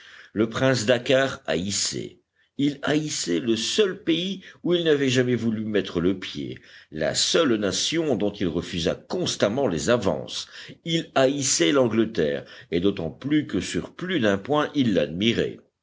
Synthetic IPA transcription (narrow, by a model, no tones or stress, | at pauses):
ləpχɛ̃sd̪akaʁa̰isɛ̰ | ilaisɛləsœlpeiuilnavɛʒamɛvulymɛt̪χələpjḛla̰sœlnasjɔ̃d̪ɔ̃t̪ilʁəfyza̰kɔ̃st̪amɑ̃lezavɑ̰̃silaisɛlɑ̃ɡlət̪ɛ̰ːʁed̪ot̪ɑ̃plykəsyʁplyd̪ɛ̃pwɛ̃ʔilːad̪miʁɛ̰